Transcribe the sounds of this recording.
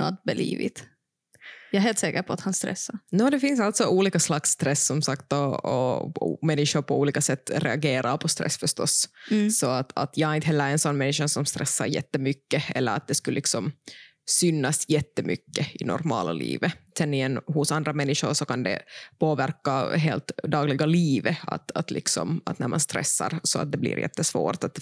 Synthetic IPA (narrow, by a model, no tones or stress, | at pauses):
nɔ̰t̪̚bɛlḭːvɪ̰t̪ | jɑːɦeːlt̪sɛːkəɾpʰɔat̪hanst̪ɾɛ̰sːanoːd̪ɛfɪnsalt̪sɔʔuːliːkaslaksːt̪ɾɛsːɔmsakt̪ɔɔ̰mɛnːɪʂʊɾpʰɔuːliːkasɛt̪ːɾɛaɡeːɾaɾpʰɔst̪ɾɛ̰sːfœʂt̪ɔ̰ssɔat̪ʰa̰t̪ʰjɑhaɾɪnt̪hɦɛlːəɾɛnsɔnːmɛnːɪʂasɔmst̪ɾʔɛsːa̰ɾjɛ̰t̪ːəmʏkːəɛlːəɾat̪̚d̪ɛskʉlːlɪksɔm | sʏnːasjɛt̪ːəmʏkːəɪnɔ̰ɾmɑ̰ːla̰lḭːvəsɛnːɪɛnːhʊsand̪ɾamɛnːɪʂʊɾʂɔkand̪ɛ̰poːvæɾkaɦeːlt̪d̪ɑːɡlɪɡaliːvəa̰t̪at̪lɪ̰ksɔ̰mat̪næɾma̰nst̪ɾɛ̰sːa̰ɾsɔa̰t̪̚d̪ɛblḭːɾjɛ̰t̪ːəsvo̰ːɾt̪at̪